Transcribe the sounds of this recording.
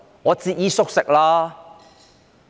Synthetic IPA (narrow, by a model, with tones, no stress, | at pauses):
ɔ˨˧t͡si˧˩ʔi˦sʊ˥k̚sɛ˨k̚la˦